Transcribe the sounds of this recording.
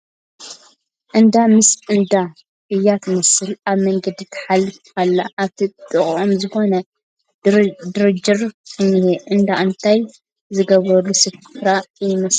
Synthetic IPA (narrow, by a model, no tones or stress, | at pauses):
ʔɨnd̪amɨsɨnd̪a | ʔɨjːat̪ʰmɐsɨlaβmɐŋɡɐd̪it̪ʰɐ̥ħalːɨfkʰalːaʔaβt̪ʰit̪ʼɨχʼʕomzɨxo̞nɐ | d̪ɨɾɨd͡ʒɨɾʼɨnːiheʔɨnd̪aʔɨnt̪ʰaj | zɨɡɐβɾɐlːusɨffɾajɪmɐs